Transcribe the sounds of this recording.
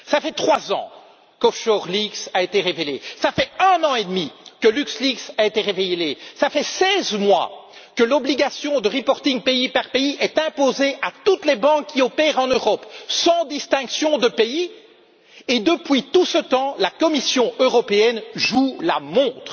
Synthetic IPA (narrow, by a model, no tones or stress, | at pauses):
safɛt̪χwazɑ̰̃ | kɔfʃɔʁliksaet̪eʁevelesafɛɛ̃nɑ̃ed̪mikəlyksliksaet̪eʁevejlesafɛsɛzmwa̰kəlɔbliɡasjɔ̃d̪əʁipɔʁt̪iŋpeipaʁpeiʔɛt̪ɛ̃pozeʔat̪ut̪lɛbɑ̃kːiɔpɛʁɑ̃nøʁɔpsɑ̃d̪ist̪ɛ̃ksjɔ̃d̪əpei | ed̪əpɥit̪usət̪ɑ̃lakɔmisjɔ̃øʁɔpeɛnʒula̰mɔ̃t̪χ